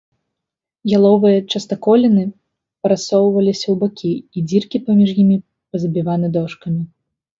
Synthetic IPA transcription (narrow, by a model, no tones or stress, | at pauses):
jalˠɔvɨjɐt͡ʂɐst̪akɔlʲinɨ | pɐɾasɔwvɐlʲisʲɐwbakʲiːd͡zʲirkʲipɐmʲiʐjimʲi | pɐzɐbʲivan̪ɨd̪ɔʂkɐmʲi